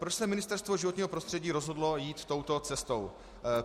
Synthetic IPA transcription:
pɾot͡ʃsɛmɪnɪst̪ɛɾst̪vo̞ʒɪvoɲiːɦopɾost̪r̥ɛɟiːɾo̞zɦo̞dlo̞jiːt̪ːo̞wt̪o̞t͡sɛst̪o̞w

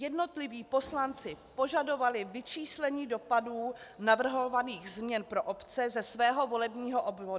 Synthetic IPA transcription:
jɛdno̞t̪lɪviːpo̞slant͡sɪpo̞ʒado̞valɪvɪt͡ʃiːslɛɲiːdo̞paduːnavr̩ɦovaniːɣzmɲɛnpɾo̞ʔopt͡sɛzɛsvɛːɦo̞vo̞lɛbɲiːɦo̞ʔobvod

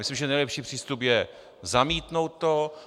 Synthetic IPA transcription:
mɪslimʒɛnɛjlɛpʃiːpr̥iːst̪upjɛ | zamiːt̪no̞wt̪̚t̪o

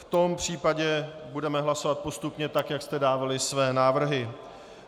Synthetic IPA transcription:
ft̪o̞mpr̝̥iːpaɟɛbudɛmɛɦlaso̞vat̪̚po̞st̪upɲɛt̪akjakst̪ɛdaːvalɪsvɛːnaːvr̩ɦɪ

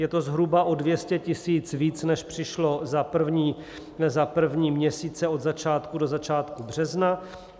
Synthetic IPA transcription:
jɛt̪o̞zɦɾubaʔo̞dvjɛscɛcɪsiːt͡sviːt͡snɛʃpr̝̥ɪʃlo̞zapr̩vɲiː | zapr̩vɲiːmɲɛsiːt͡sɛo̞d̪zat͡ʃaːt̪kudo̞zat͡ʃaːt̪kubr̝̥ɛzna

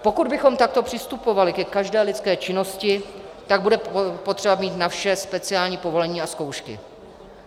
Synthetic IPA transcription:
po̞kud̪bɪxo̞mt̪ak̚t̪o̞pr̥ɪst̪upo̞valɪkɛkaʒdɛːlɪtt͡skɛːt͡ʃɪno̞scɪt̪aɡ̚budɛpo̞t̪r̝̥ɛbamiːt̪nafʃɛspɛt͡sɪaːlɲiːpo̞vo̞lɛɲiːasko̞wʃkɪ̰

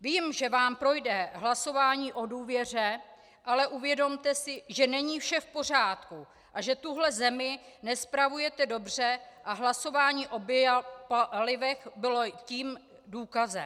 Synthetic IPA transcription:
viːmʒɛvaːmpɾo̞jdɛɦlaso̞vaːɲiːʔo̞duːvjɛr̝ɛ | ʔalɛʔuvjɛdo̞mt̪ɛsɪʒɛnɛɲiːfʃɛfpo̞r̝aːt̪ku | ʔaʒɛt̪uɦlɛzɛmɪnɛspɾavujɛt̪ɛdo̞br̝ɛʔaɦlaso̞vaːɲiːʔo̞bjpalɪvɛxbɪlociːm | duːkazɛ̰

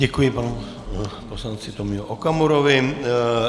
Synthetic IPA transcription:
ɛkujɪpanu | poslant͡sɪt̪omɪoʔokamuɾovɪ

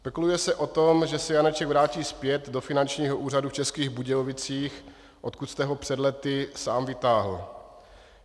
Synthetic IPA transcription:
spɛkulujɛsɛʔo̞t̪omʒɛsɛjanɛt͡ʃɛɡvɾaːciːspjɛt̪do̞fɪnant͡ʃɲiːɦoʔuːraduft͡ʃɛskiːɣbuɟɛlovɪt͡siːx | ʔot̪̚kut̪st̪ɛɦo̞pr̝̥ɛdlɛt̪ɪsaːmvɪt̪aːɦl̩

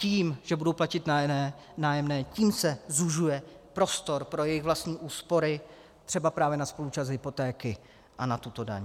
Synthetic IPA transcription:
ciːmʒ̥ɛbudowplacɪt̪naɛː | naːjɛmnɛːciːmsɛzuʒujɛ | pɾo̞st̪o̞ɾpɾo̞jɛjɪɣvlast̪ɲiːʔuːspo̞ɾɪ | t̪r̥ɛbapɾaːvjɛnaspo̞lut͡ʃazɦɪpo̞t̪ɛːkɪ | ʔanat̪ut̪o̞da̰ɲ

